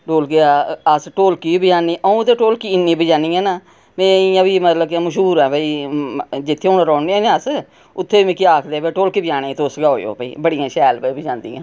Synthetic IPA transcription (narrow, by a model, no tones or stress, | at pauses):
ʈoːlkeəsʈoːlkiːbɪd͡ʒaːnːiːʔəũːt̪eːʈoːlkiɪnːẽːbəd͡ʒaːnĩːɛ̃ːnaː | mɛ̃ːɪjãːbiːmət̪ləbkeməʃɦuːɾɛ̃ːbəːiː | d͡ʒɪt̪ʰːeʊnɾɔːɳẽnẽəs | ʊt̪ʰːeːiːmẽːkiaːkʰd̪eːbɛ̃ːʈoːlkiːbəd͡ʒaːnẽːt̪eʊsɡaːoːjo̰ːpəḭːbəɽijãːʃɛːlbəibəd͡ʒãːnd̪iːã̰ː